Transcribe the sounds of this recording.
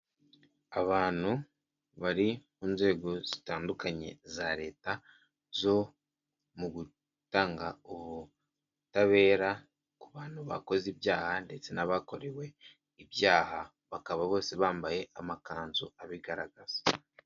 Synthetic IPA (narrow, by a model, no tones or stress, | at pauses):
aβaːn̥hu | βaɾimuːnze̞ːɡo̞z̥i̥taːndukaɲe̞̰zaɾe̞ːta | zo̞ | muɡu | taːŋɡauβu | taβe̞ːɾa | kuβaːn̥huβa̰ko̞zibjaːhande̞t͡se̞naβako̞ɾe̞we̞ | ibjaːha | βakaβaβo̞ːse̞βaːmbaje̞ʔamakaːnzuaβiɡaɾaɡaz̥ḁ